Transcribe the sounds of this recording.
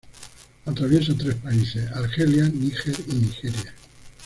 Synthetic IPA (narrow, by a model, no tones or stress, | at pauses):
at̪ɾaβjesat̪ɾespaisesaɾxeljanixeɾinixeɾja